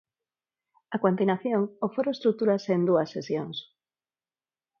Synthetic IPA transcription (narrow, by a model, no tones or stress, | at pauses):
akwant̪inaθjoŋofoɾoest̪ɾuk̚t̪uɾasend̪uɐsːesjoŋs